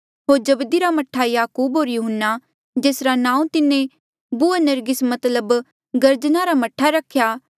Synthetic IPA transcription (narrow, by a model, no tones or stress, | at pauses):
ɦoːɾd͡ʒɐbd̪iɾamɐʈʰːajaːkuːbɦoːɾjuːɦənːa | d͡ʒeːsɾanãːũt̪ɪnẽ | buanɐɾɡɪsmɐt̪ləb | ɡɐɾd͡ʒnaɾamɐʈʰaɾɐkʰːja